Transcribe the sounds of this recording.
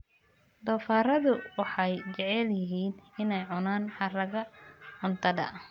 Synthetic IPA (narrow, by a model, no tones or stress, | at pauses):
d̪ɔːfaːɾɐðʊwɑħɑjt͡ʃɛʕɛljɪɦiːnɪnɛjʕʊnaːnħɑrɐɣɐʕʊnt̪ʰɐdɐ̰